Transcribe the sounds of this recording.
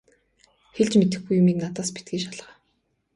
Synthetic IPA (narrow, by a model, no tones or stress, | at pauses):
xeɮt͡ɕmet̪ɘ̆xɡujːʊmiːknat̪aːspit̪̚ɡiːʃaɮʁ̥aː